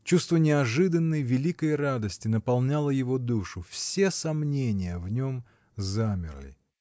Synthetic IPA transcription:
t͡ɕust̪vənʲɪɐʐɨd̪ənːəjvʲɪlʲikəjrad̪əsʲtʲɪnəpɐlˠnʲalˠəjɪvo̞d̪uʂʊfsʲe̞sɐmnʲenʲɪjəvnʲo̞m | zamʲɪ̰rlʲɪ̰

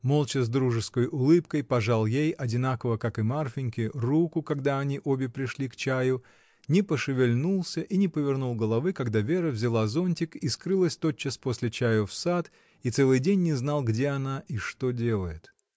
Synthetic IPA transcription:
mo̞lˠt͡ɕɪzd̪ɾuʐɨskəjʔʊlˠɨpkəjpɐʐalˠjejɐdʲɪnakəvəkakɨmarfʲɪnʲkʲɪrukʊkɐɡd̪aɐnʲiʔo̞bʲɪpɾʲɪʂlʲikt͡ɕæjʊ | nʲɪpəʂɨvʲɪlʲnulˠsʲəʔinʲɪpəvʲɪrnulˠɡəlˠɐvɨkɐɡd̪avʲe̞ɾəvzʲɪlˠazo̞nʲtʲɪkiskɾɨlˠəsʲt̪o̞t̪̚t͡ɕːaspo̞sʲlʲɪt͡ɕæjʊfsat̪ | it̪sɛlˠɨjdʲenʲːɪznalˠɡdʲe̞ɐnaʔiʂt̪o̞dʲe̞lˠəjɪt̪

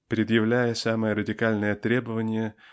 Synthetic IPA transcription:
pɾʲɪd̪jɪvlʲæjəsaməjəɾədʲɪkalʲnəjət̪ɾʲe̞bəvənʲɪjə

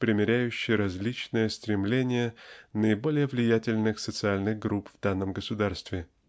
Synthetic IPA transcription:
pɾʲɪmʲɪɾʲæjʉɕːɪjəɾɐzʲlʲit͡ɕnɨjəst̪ɾʲɪmlʲenʲɪjənəɪbo̞lʲɪjəvlʲɪjætʲɪlʲnɨxsət̪sɨalʲnɨɣɡɾupv̥d̪anːəmɡəsʊd̪arst̪vʲɪ

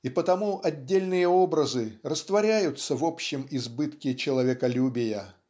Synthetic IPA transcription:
ipət̪ɐmuʔɐdʲːelʲnɨjəo̞bɾəzɨrəst̪vɐɾʲæjʊt̪səvo̞pɕːɪmɪzbɨt̪kʲɪt͡ɕɪlˠɐvʲekɐlʲubʲɪjə

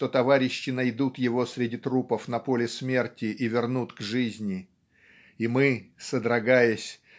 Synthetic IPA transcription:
t̪o̞t̪ɐvaɾʲɪɕːɪnɐjd̪ut̪jɪvo̞sɾʲɪdʲit̪ɾupəfn̪ɐpo̞lʲɪsmʲe̞rtʲɪʔivʲɪrnut̪ɡʐɨzʲnʲɪ | imɨsəd̪ɾɐɡajəsʲ

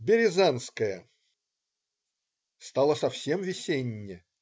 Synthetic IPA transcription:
bʲɪɾʲɪzanskəjə | st̪ɑlˠəsɐfsʲemvʲɪsʲenʲːɪ

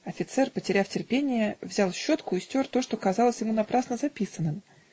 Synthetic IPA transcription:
ɐfʲɪt̪sɛrpətʲɪɾʲaftʲɪrpʲenʲɪjəvzʲalˠɕːo̞t̪kʊɪsʲtʲo̞rt̪o̞ʂt̪o̞kɐzalˠəsʲjɪmunɐpɾasnəzɐpʲisənːɨm

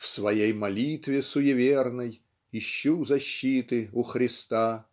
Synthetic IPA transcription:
fsvɐjejmɐlʲit̪vʲɪsʊjɪvʲernɨj | ɪɕːuzɐɕːit̪ɨʊxɾʲɪst̪a

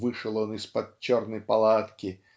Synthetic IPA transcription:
vɨʂɨlˠɔnɨspɐd̪̚t͡ɕːɔrnəjpɐlˠat̪kʲɪ

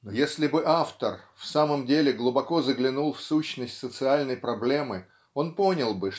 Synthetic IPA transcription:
nojesʲlʲɪbɨʔaft̪ərfsaməmdʲelʲɪɡlˠʊbɐko̞zəɡlʲɪnulˠfsuɕnəsʲtʲsət̪sɨalʲnəjpɾɐblʲe̞mɨ | o̞npo̞nʲɪlˠbɨ

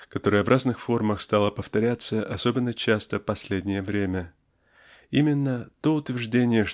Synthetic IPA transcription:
kɐt̪o̞ɾəjəvrʔaznɨxfo̞rməxst̪alˠəpəft̪ɐɾʲat̪səʔɐso̞bʲɪnːət͡ɕast̪əpɐsʲlʲedʲnʲɪjəvɾʲemʲə | imʲɪnːət̪o̞ʊt̪vʲɪrʐdʲenʲɪjəʂ

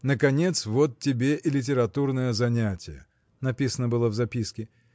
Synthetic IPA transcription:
nəkɐnʲe̞t̪svot̪tʲːɪbʲeʔɪlʲɪt̬ʲɪɾɐt̪urnəjəzɐnʲætʲɪjə̰ | nɐpʲisənəbɨlˠəvzɐpʲiskʲɪ

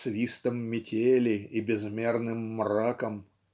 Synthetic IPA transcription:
svʲist̪əmːʲɪtʲelʲɪibʲɪzmʲernɨmːrakəm

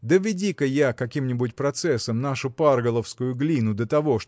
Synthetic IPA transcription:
d̪əvʲɪdʲikəjakɐkʲimnʲɪbʊtʲpɾɐt̪sɛsːəmnaʂʊparɡəlˠəfskʊjʊɡlʲinʊd̪ət̪ɐvo̞ʂ

